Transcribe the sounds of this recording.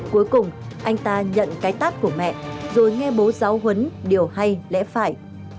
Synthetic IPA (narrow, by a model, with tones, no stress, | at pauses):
ku˨˦jkʊ˨˩ŋ͡mʔa˧jŋ̟t̪aː˧ɲə̰˧˨nkaː˨˦jt̪aː˦˥t̚ku˧˩əmɛ̰˧˨ʔzo˨˩jŋɛ˧ɓo˨˦zaː˨˦wɦə˨˦nɗi˨˩əwha˧jlɛ̰˧˥faː˧˩j